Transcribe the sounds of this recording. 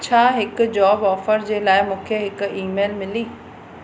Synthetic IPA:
t͡ɕʰaːɦɪkʊd͡ʑɔːbɔːfəɾd͡ʑeːlaːɪmũːkʰeɦɪkiːmeːlmɪliː

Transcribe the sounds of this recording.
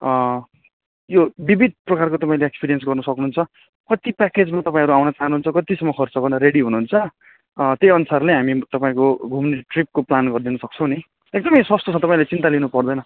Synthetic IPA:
jobibʱid̪̚ʱprʌkarkot̪ʌpaĩleekspiɾijensɡʌrnʌsʌknuɦunt͡sʰʌ | kʌt̪ipaked͡zmat̪ʌpãĩɦʌɾuawnʌt͡saɦʌnuɦunt͡sʰʌkʌt̪isʌmːʌkʰʌrt͡sʌkʌnʌɾeɽiɦunuɦunt͡sʰʌ | t̪ejʌnusarleɦamit̪ʌpaĩkoɡʱumniʈrip̚koplanɡʌrd̪inʌsʌk̚t͡sʰʌ̃w̃ni | ek̚d̪ʌmʌjswʌst̪ot͡sʰʌ̃t̪ʌpãĩlet͡sint̪alinupʌrd̪ʌjnʌ

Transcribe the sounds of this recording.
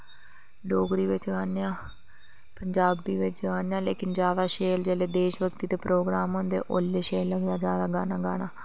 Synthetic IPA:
ɖoːɡɾiːʋɪt͡ʃɡaːnejãː | pəɲd͡ʒaːbiːʋɪt͡ʃɡaːnejãːleːkɪnd͡ʒjaːd̪aːʃeːld͡ʒɛːleːd̪eːʃʋəkt̪iːt̪eːpɾoːɡɾaːmɦõnd̪ḛːʔo̰ːleːʃeːlːəɡd̪aːd͡ʒjaːd̪aːɡaːnaːɡaːnaː

